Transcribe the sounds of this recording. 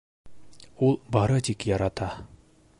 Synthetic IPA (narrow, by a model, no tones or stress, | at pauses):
ulˠbɑɾɤt̪ikjɑɾɑt̪ɑ